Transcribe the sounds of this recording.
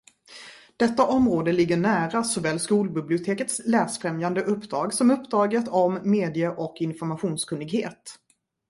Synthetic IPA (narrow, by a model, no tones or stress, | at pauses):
d̪̥ɛt̪ːaʔɔmɾoːd̪əlɪɡːəɳæːɾasɔvɛːlskuːlbɪblɪʊt̪ʰeːkət̪slæːsfɾɛmjand̪əʔɵpːd̪ɾɑːɡsɔmɵpːd̪ɾɑːɡət̪ʰɔmːeːd̪ɪəʔɔkːɪnfɔɾmaɧuːnskʰɵnːɪɡhḛːt̪